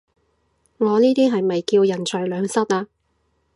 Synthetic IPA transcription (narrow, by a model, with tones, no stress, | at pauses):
ŋɔː˨˧niː˥t̪iː˥ɦɐ˨jmɐ˨jkiː˧wjɐ˨˩nt͡ʃʰœ˨˩ɥlœː˨˧ŋsɐ˥t̚aː˧